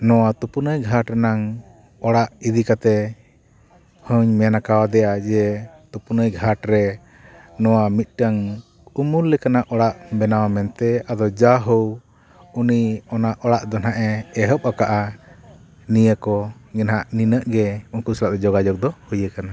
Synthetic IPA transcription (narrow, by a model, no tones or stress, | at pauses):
nɔwat̪upunəjɡʱaʈnaŋ | ɔɽaʔid̪ikat̪ɛ | həɲmɛnakawad̪ɛjad͡ʒɛt̪upunəjɡʱaʈɾɛ | nɔwamit̪̚ˀʈəŋ | umullɛkanaʔɔɽaʔbɛnawamɛnt̪ɛad̪ɔd͡ʒaɦəw | uniɔnaʔɔɽaʔd̪ɔnaʔɛːɦəp̚akaʔa | nijəkɔɡɛnɦaʔninəʔɡɛunkuslaʔd̪ɛd͡ʒɔɡad͡ʒɔk̚d̪ɔhujəkana